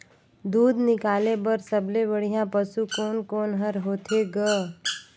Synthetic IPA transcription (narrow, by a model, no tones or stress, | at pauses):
d̪uːd̪nɪkaːlebəɾsəblebəɽ̤ijãpəsukoːnkoːnɦəɾɦoːt̪ʰeɡə